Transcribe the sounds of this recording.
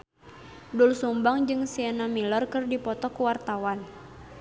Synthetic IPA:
dulsumbaŋd͡ʒɨŋsianamilɔrkɨrdipɔt̪ɔkuwart̪awan

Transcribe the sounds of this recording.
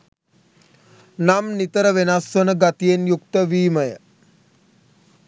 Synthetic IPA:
namnit̪əɾəʋenasʋənəɡat̪ijenjuk̚t̪əʋiːməjə

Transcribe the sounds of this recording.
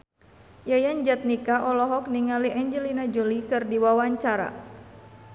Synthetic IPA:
jajaɲd͡ʒat̪̚nikaʔɔlɔɦɔk̚niŋaliʔɛɲd͡ʒəlinad͡ʒolikɨrdiwawaɲt͡ʃaɾa̰

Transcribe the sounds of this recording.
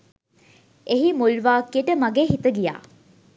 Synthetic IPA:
eɦimulʋaːkieʈəmaɡeːɦit̪əɡija̰ː

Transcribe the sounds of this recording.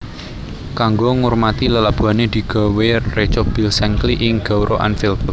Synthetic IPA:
kaŋɡoŋurmat̪iləlab̥ṳaned̪̥i̤ɡ̥ɔ̤weret͡ʃɔb̥i̤lsɛŋkliʔɪŋɡ̥a̤wɾʔoʔa̰nfilpl

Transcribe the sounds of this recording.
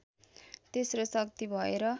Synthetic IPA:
t̪esrosʌkt̪ibʱʌeɾʌ

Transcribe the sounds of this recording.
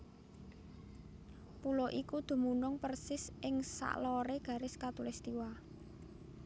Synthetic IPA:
pulɔʔikud̪̥ṳmunʊŋpərsɪsʔɪŋsa̰ʔlɔɾeɡ̥ä̤ɾɪskat̪ulɛst̪iwa

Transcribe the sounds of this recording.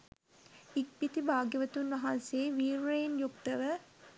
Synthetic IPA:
ik̚pit̪ibʱaːɡjəʋət̪unʋɐɦanseːʋiːɾejnjukt̪əʋə

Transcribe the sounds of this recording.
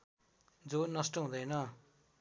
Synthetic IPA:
d͡zonʌsʈʌɦũd̪ʌjnʌ

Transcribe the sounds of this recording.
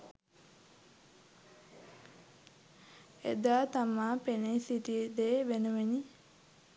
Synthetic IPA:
ed̪aːt̪amaːpenisiʈid̪eːʋenuʋeni

